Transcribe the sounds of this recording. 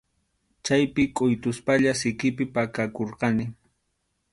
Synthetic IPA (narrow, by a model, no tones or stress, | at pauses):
t͡ʃajpɪkʼʊjt̪ʊspaʎasɪkɪpɪpakakoɾqɑnɪ